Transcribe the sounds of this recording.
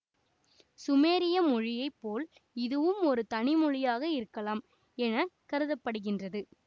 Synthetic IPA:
sʊmeːɾɪjɐmɔɻɪjɐɪpːoːl | ɪðɯʋɯmɔɾɯt̪ɐnɪmɔɻɪjaːɣɐɪɾɯkːɐlaːm | ɛnɐkɐɾɯðɐpːɐɽɯɣɪndrɐðɯ

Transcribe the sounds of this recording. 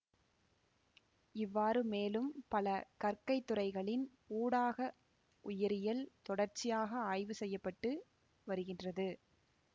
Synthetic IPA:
ɪʋːaːɾɯmeːlɯmpɐlɐkɐɾkɐɪt̪ːɯrɐɪɣɐɭɪn | uːɽaːɣɐ | ʔʊjɐɾɪjɐlt̪ɔɽɐɾt͡ʃːɪjaːɣɐaːjʋɯsɛjːɐpːɐʈːɯ | ʋɐɾɯɣɪndrɐðɯ

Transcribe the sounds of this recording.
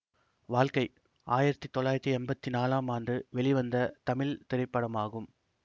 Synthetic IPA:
ʋaːɭkɐɪ | ʔaːjɪɾɐt̪ːit̪ːɔɭːaːjɪɾɐt̪ːiɛnbɐt̪ːinaːlaːmaːnɖɯʋɛɭɪʋɐnd̪ɐt̪ɐmɪlt̪ɪɾɐɪpːɐɽɐmaːɣɯm

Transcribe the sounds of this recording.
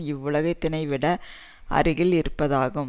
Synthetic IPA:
ɪʋːʊɭɐɣɐɪt̪ːɪnɐɪʋɪɽɐ | ʔɐ̰ɾɯɣɪɭɪɾɯpːɐðaːɣɯm

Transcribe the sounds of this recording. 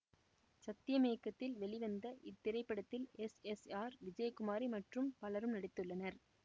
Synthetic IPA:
sɐt̪ːɪjɐmeːkːɐt̪ːɪlʋɛɭɪʋɐnd̪ɐʔɪt̪ːɪɾɐɪpːɐɽɐt̪ːɪlɛsɛsaːɾʋɪd͡ʒɐjɐkʊmaːɾimɐʈrɯmpɐlɐɾɯmnɐɽɪt̪ːɯɭːɐnɐɾ

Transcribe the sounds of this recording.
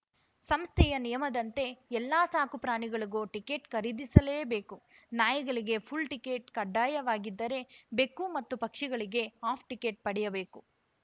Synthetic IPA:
sɐmst̪ʰɛjɐnijɐmɐd̪ɐnt̪e̞ɛlːaːsaːkupɾaːɳiɡɐɭiɡoːʈike̞ːʈkɐɾid̪isɐleːbe̞ːku | naːjɐɡɐɭiɡe̞pʰulʈike̞ːʈkɐɖːaːjɐʋaːɡid̪ːɐɾe̞bekːumɐt̪ːupɐkʂiɡɐɭiɡe̞aːpʰʈikeːʈ̚pɐɽɛjɐbe̞ːku

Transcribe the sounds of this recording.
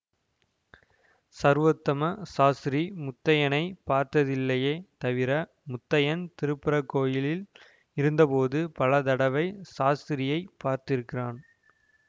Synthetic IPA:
sɐɾʋɐt̪ːɐmɐsaːsɪɾimʊt̪ːɐjɐnɐɪpaːɾt̪ɐðɪlːɐjeːt̪ɐʋɪɾɐ | mʊt̪ːɐjɐnt̪ɪɾɯpːɪɾɐkːoːjɪlɪl | ɪɾɯnd̪ɐpoːðɯpɐlɐt̪ɐɽɐʋɐɪsaːsɪɾɪjɐɪpːaːɾt̪ɪɾɯkːɪraːn

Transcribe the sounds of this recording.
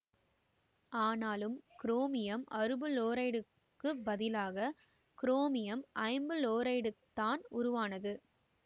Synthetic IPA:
aːnaːlɯmkɪɾoːmɪjɐmɐɾɯbɯloːɾɐɪɽɯ | kːɯbɐðɪlaːɣɐ | kɪɾoːmɪjɐmʔɐɪmbɯloːɾɐɪɽɯt̪ːaːnʊɾʊʋaːnɐðɯ

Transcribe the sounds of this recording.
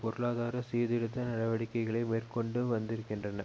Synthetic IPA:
pɔɾɯɭaːðaːɾɐsiːðɪɽɯt̪ːɐnɐɽɐʋɐɽɪkːɐɪɣɐɭɐɪmeːrkɔɳɖɯʋɐnd̪ɪɾɯkːɪndrɐnɐ̰

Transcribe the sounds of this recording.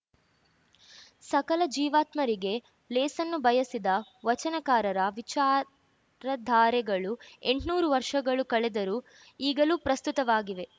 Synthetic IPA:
sɐkɐlɐd͡ʒiːʋaːt̪mɐɾiɡe̞ | lɛːsɐnːubɐjɐsid̪ɐʋɐt͡ʃɐnɐkaːɾɐɾɐʋit͡ʃaː | ɾɐd̪ʱaːɾɛɡɐɭue̞ɳʈnuːɾuʋɐɾʂɐɡɐɭukɐɭɛd̪ɐɾu | iːɡɐluːpɾɐst̪ut̪ɐʋaːɡiʋe̞

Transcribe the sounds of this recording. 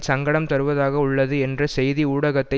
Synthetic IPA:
sɐŋɡɐɽɐmt̪ɐɾɯʋɐðaːɣɐʊɭːɐðɯɛndrɐsɛjðiuːɽɐɣɐt̪ːɐɪ

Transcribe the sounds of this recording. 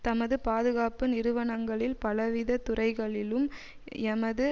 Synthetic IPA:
t̪ɐmɐðɯpaːðɯɣaːpɯnɪɾɯʋɐɳɐŋɡɐɭɪlpɐlɐʋɪðɐt̪ːʊrɐɪɣɐɭɪlɯm | ɛmɐðɯ

